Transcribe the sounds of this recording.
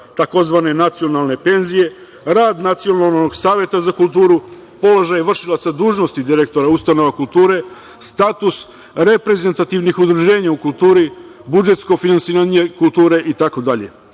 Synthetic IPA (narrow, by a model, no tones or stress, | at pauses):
t̪ako̞zʋane̞nat̪sio̞nalˠne̞pe̞nzije̞ | ɾaːd̪nat̪sijo̞nalnnoɡsaːʋje̞t̪azakulˠt̪uːɾu | po̞lo̞ʒajʋr̩ʃilˠat̪sad̪uːʒno̞st̪id̪iɾe̞k̚t̪o̞ɾaust̪ano̞ʋakulˠt̪uːɾe̞ | st̪aːt̪us | ɾe̞pɾe̞ze̞nt̪at̪iʋnixud̪ɾuʒe̞ːɲaukulˠt̪uːɾibud͡ʒe̞t̪sko̞finansiːɾaɲekulˠt̪uːɾe̞ʔit̪ako̞d̪aʎe̞̰